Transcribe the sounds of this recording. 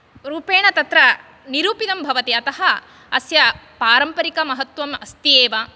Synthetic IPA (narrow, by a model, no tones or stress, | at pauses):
ɾuːpeːɳɐt̪ɐt̪ɾɐ | niɾuːpit̪ɐmbʱɐʋɐt̪iɐt̪ɐɦɐ | ɐsjɐpaːɾɐmpɐɾikɐmɐɦɐt̪ʋɐmɐst̪ieːʋɐ